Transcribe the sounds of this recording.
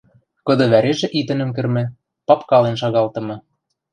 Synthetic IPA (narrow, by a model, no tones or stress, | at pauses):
kɤ̆d̪ɤ̆βæɾeʒĕʔit̪ɘ̆nɘ̆mk̬ɘ̆rmɘ̆ | pɑpkɑlenʃɑɣɑlt̪ɤ̆mɤ̆